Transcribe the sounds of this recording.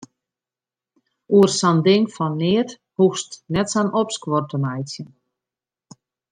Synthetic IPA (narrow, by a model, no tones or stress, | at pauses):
uərsandɪŋfɔnːɪət | huxstnɛtsanʔopskʋortəmajtjən